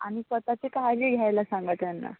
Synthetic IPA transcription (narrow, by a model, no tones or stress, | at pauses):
a̰ɽ̃isʋət̪at͡ɕekajleɡʱjajlasãŋɡat̪janːa̰